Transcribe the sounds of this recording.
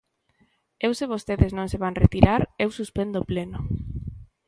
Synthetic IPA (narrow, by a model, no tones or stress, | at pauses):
ewseβ̞ost̪eðeznõŋseβaŋret̪iɾaɾewsuspend̪opleno